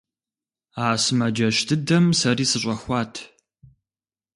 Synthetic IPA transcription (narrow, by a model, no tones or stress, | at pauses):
aːsɨmɐd͡ʒɐʃtʰɨdɐmsɐriːsɨɕʷʼɐxʷɑːtʰ